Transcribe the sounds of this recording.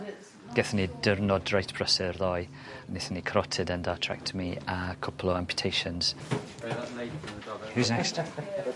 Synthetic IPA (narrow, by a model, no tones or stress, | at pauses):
ɡ̥ɛθənidərnɔdɹajtb̥ʰɹəsərðɔj | ənɪθənikʰɾɔtʰɪdəndatʰɹa̰k̚tʰmiakʰɔpʰlˠɔãmpʰjə̥tʰejʃənz̥ | huznɛkst